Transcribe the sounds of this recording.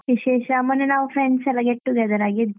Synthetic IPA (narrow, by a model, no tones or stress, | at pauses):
ʋiʃeːʃɐːmɐnenaːʋufɾeɳɖsɛlːɐɡeʈːuɡɛd̪ɐɾaːɡid̪